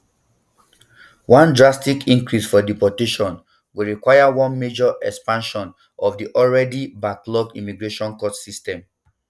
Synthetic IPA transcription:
wɔ̃ndɹastikʰĩŋkɹisfɔdipɔteʃɔ̃n | wiɹikwajawɔ̃nmed͡ʒɔʔɛkspãnʃɔ̃n | ʔɔvdiʔɔlɹɛdibaklɔkimiɡɹeʃɔ̃nkɔtsistɛ̃m

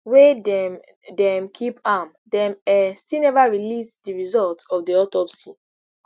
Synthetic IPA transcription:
wed | dɛ̃mkʰipam | dɛ̃mɛstilnɛvaɹilisdiɹizɔltɔfdiɔtɔpsi

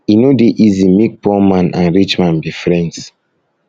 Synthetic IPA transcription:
inodeʔizimik̚pɔmãnʔã̰nɹit͡ʃmãnbifɹɛ̃nds

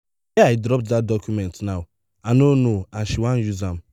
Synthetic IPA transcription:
eaɪdɾɔp̚tdat̚dɔkjumɛntnaʊ | anonoaʃiwãn̩juzam̩

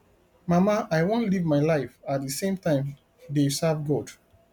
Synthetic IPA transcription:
mamaʔaɪwõntlivmaɪlaɪfat̚dəsẽmtãɪ̃m | desavɡɔd̥

